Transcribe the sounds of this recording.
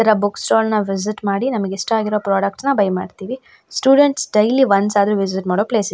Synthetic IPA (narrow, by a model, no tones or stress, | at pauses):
ɐɾɐbuksʈoːlnɐʋiz̬iʈmaːɽinɐmɐɡeiʂʈɐaːɡiɾo̞ːpɾoːɽɐk̚ʈnɐbɐjma̰ːɖt̪iːʋi | sʈjuːɖeɳʈsɖɐjliʋɐnsaːd̪ɐɾuːʋiz̬iʈmaːɽoːpleːs